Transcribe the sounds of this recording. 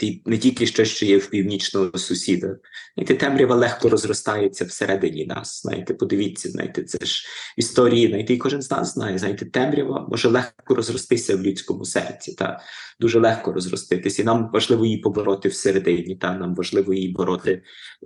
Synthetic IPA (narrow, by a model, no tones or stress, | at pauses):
t̪inɛtʲilʲkɪʃt͡ʃɔsʲʃt͡ʃɔjɛwpʲiwnʲit͡ʃnɔɦɔsʊsʲid̪ɐ | zna̰jt̪ɛt̪ɛmɾʲɐʋɐlˠɛxkɔɾɔzrɔst̪ɑjet͡sʲːɐwseɾʔɛd̪ɪnʲinɑ̰sz̥nɑ̰jḭt̪ɛpɔd̪ɪʋʲitʲt͡sʲːɐznɑ̰jt̪ɛt̪sɛ̰ʃist̪ɔɾʲijinajit̪eikɔʒɪnznɑ̰szznɑjɛznajt̪ɛt̪ɛmɾʲɐʋɐ̰mʔɔ̰ʒɛlˠɛxkɔɾɔzrɔst̪ɪsʲɐwlʲut͡sʲkɔmʊsɛ̰rt͡sʲit̪ɑ̰d̪uʒɛlˠɛxkɔɾɔzrɔ̰st̪ɪt̪ɪsʲɐinɑmʋɐʒlˠɪʋɔjipɔbɔɾɔt̪ɪwseɾed̪ɪnʲit̪ɑnɑmʋɐʒlˠɪʋɔjibɔɾɔt̪ɪ